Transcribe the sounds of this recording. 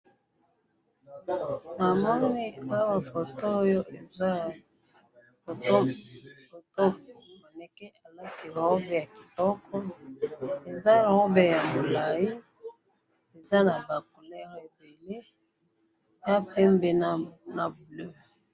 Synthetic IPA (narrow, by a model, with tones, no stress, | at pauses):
na˨mɔ˦ni˦o˦jo˦ma˨fo˨to˦jo˦ʔe˨za˦ | fo˨to˦fo˨to˦mo˨nɛ˨kɛ˦ʔa˨la˦ti˨ɣɔ˦bɛ˦ja˨ki̥˨dɔ˦kʰɔ˦ | e˨za˦˨ʁo˦bɛ˨ja˨mo˨la˨i˦ | e˨za˦na˨ba˨ko˨lɛ˦ʁe˨be˨le˦ | ja˦pɛ˦mbe˦n˦na˨blø˦